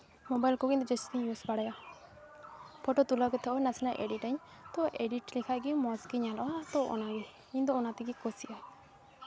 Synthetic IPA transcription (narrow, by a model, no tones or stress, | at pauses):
mɔbajlkɔkint̪ud͡ʒesu̥t̪iɲjusbaɽaja | pʰɔʈɔt̪ulakɛt̪ʰɔɔnasnaʔḛɖiʈaɲ | t̪ɔʔeɖiʈlikʰaɡimɔskiɲalɔat̪ɔɔ̰naɡi | kiɲd̪ɔɔnat̪iɡikosiʔa